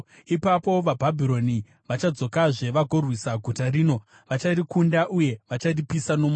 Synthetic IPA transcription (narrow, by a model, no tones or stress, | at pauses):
ipapo̞ʋabʱabʱiɾo̞ni | ʋat͡ʃad͡zo̞kaʐe̞ʋaɡʱo̞rwisaɡʱutariːno̞ | ʋat͡ʃarikundaʔuje̞ʋat͡ʃaripisano̞m